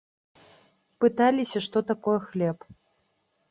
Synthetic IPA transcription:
pɨt̪alʲisʲɐʂt̪ɔt̪akɔjɛxlʲɛp

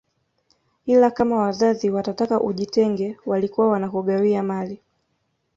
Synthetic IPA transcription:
ilakamawazaðiwatatakaʔuʄitɛŋɡɛwalikuwawanakɔɠawiamali

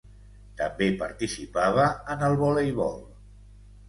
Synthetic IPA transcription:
t̪əmbepəɾt̪isipaβ̞əːnəlˠβolejβɔlˠ

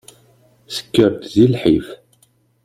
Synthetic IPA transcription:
sə̥kːəɾt̪zilħif

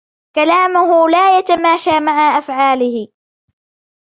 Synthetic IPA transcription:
kalaːmʊɦʊlaːjat̪amaːʃaːmaʕaʔafʕaːlɪhɪ

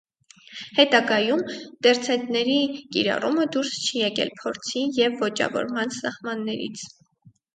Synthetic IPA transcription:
hɛt̪ɑɡɑjumd̪̥ɛɾt͡sʰɛt̪nɛɾikḭɾɑ̰ruməd̪uɾst͡ʃʰijɛkɛ̰lpʰɔɾt͡sʰijɛvːɔt͡ʃɑ̰vɔ̰ɾmɑnsɑhmɑnːɛɾḭt͡sʰ

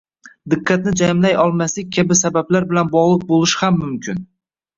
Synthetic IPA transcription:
d̪ɪqːɑt̪nɪd͡ʒajmlajɒlˠmaslɪk̚ʲkʲʰabɪsabablaɾbɪlanbɒʁlˠɨq̚bolˠɪʃhamːʊmkʰʲɪn

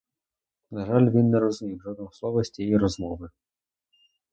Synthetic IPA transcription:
nɐʒɑlʲʋʲinːɛɾɔzʊmʲiwʒɔd̪̚nɔɦɔslˠɔʋɔsʲtʲijiɾɔzmɔʋɪ

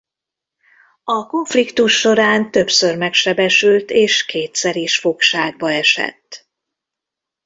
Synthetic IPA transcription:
ɒko̞ɱflikt̪uʃːo̞ɾaːnt̪ø̞psørmɛkʃɛbɛʃylt̪eːʃkʰeːt̪sɛɾiʃfo̞kʃaːɡ̚bɒɛʃɛ̰t̪ː

